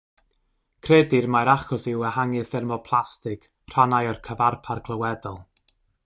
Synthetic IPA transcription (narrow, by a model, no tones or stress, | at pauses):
kʰredɪrmajɾaχɔsɪwəhaŋɨθɛrmɔpʰlˠastɪk | r̥anajɔrkʰəvarpʰarɡʰlˠəwɛdɔlˠ